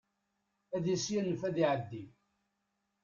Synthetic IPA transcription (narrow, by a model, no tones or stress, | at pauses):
æðisjænːəfæðiʕəd̪ːi